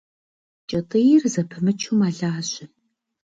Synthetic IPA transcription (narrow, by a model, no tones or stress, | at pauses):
t͡ʃʼɐtʼijɪrzɐpʰɨmɨt͡ʃʰumaːɮaːɕʼɪ